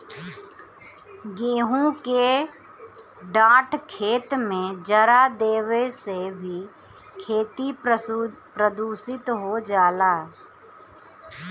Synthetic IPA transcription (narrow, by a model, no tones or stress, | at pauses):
ɡeːɦũke | ɖaːʈʰkʰeːt̪mẽd͡ʒəɾad̪eːʋesebʱi | kʰeːt̪i | pɾəd̪uːsɪt̪ɦod͡ʒaːlaː